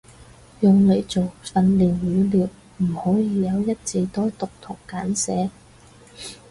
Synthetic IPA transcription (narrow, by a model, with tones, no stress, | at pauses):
jʊ˨ŋle˨˧jt͡so˨wfɐ˨˧nliː˨˩njyː˨˧liː˨˩w | m̩˨˩hɔː˨˥jiː˨˧jɐ˨˧wjɐ˥t̚t͡si˨˧t̪ɔː˥jt̪ʊ˨k̚t̪ʰʊ˨˩ŋkaː˨˥nsɛː˨˧˥